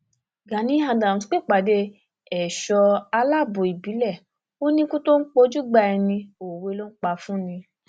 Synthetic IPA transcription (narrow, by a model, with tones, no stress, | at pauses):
ɡa˨nĩ˨˦a˧dã˨sk͡pe˦˨k͡pa˨de˧ | ɛ˨ʃɔ˧a˧la˦˨bo˨i˨bi˨˦lɛ˦˨ | o˦nĩ˦kũ˦to˦n̩˦k͡po˧˦d͡ʒu˦ɡ͡ba˧ɛ˧nĩ˧o˨we˧˦lo˦n̩˦k͡pa˧fũ˦nĩ˧